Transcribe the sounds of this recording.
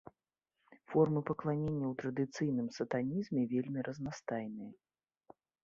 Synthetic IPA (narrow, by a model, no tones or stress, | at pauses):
fɔrmɨpɐklˠanʲenʲːɐwt̪ɾɐd̪ɨt̪sɨjnɨmsɐt̪anʲizmʲɛvʲelʲmʲiɾʔɐznast̪ajnɨjɐ